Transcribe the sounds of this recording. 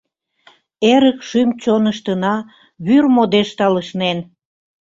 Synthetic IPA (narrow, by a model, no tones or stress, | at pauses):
eɾəkʃymt͡ɕonəʃt̪ənɑ | βyrmod̪eʃt̪ɑləʃnen